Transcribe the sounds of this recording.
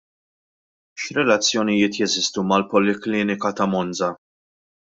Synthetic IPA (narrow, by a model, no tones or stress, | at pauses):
ʃɾɛlɐt͡sːjɔnɪjɪːt̪jɛzɪst̪umɐlpɔlɪklɪːnɪkɐt̪ɐmɔnd͡zɐ